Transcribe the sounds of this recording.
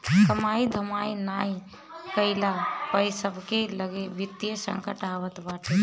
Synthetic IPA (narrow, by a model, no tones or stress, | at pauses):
kəmaid̪ʱəmainai | kəɪlapəjsəbʱkeləɡebit̪jəsə̰ŋkəʈaʋət̪baːʈʰe